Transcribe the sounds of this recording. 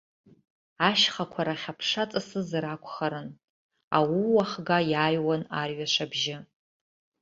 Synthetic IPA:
aʃχakʷʰaɾaχʲapʰʂat͡sʼɨsɨzɾakʷʰʼχaɾɨn | a̰wiwaχɡajaːjwanarɥaʂʷabʒɪ

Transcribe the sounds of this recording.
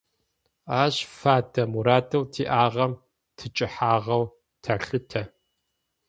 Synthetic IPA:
aːɕfaːdʰɐmuɾaːdʰʼɨwtʰiːʔaːʁɐm | tʰɨt͡ʃʼɪħaːʁɐw | tʰaɬɨtʰɐ

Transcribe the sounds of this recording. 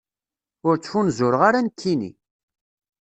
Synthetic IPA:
ʊɾt͡sːfunzʊɾəʁaɾankʰːinḭ

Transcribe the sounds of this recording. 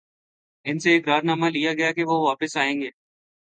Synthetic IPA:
ɪnseːkɾaːɾnaːmalijaɡɐjakeʋoʋaːpɪsaːẽːŋɡeː

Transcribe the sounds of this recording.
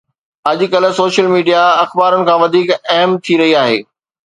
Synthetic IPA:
ɐʄkɐl̆soːʃəlmiːɖijaɐxbaːɾənɪ̆kʰãːʋɐd̪ʱiːkɐɦəmt̪ʰiɾɐɦiaːɦḛː

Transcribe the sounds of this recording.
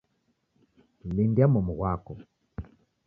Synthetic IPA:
lindjamɔmuɣwakɔ

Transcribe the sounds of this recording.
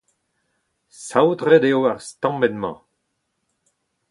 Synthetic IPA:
sawdʁedeoaʁst̪ɑ̃mbɛnmɑ̰̃

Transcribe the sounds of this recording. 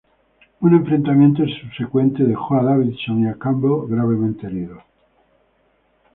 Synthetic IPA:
unẽ̞ɱfɾent̪amjent̪oensuβse̞kwe̞nt̪eðe̞xoaðaβiðsonjakamboɣɾaβ̞e̞mẽnt̪eeliðo

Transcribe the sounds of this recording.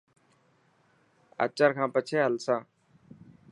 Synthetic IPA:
ə̰t͡ʃəɾkʰãːpət͡ʃʰeːɦəlsãː

